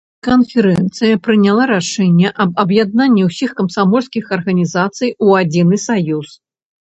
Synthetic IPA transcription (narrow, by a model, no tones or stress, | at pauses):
kɐnfʲɛɾɛnt̪sɨjɐpɾɨnʲalˠaɾaʂɛnʲːɛʔɐbɐbjad̪nanʲːiwsʲixkɐmsamɔlʲskʲixɐrɣɐnʲizat̪sɨjuad͡zʲinɨsajus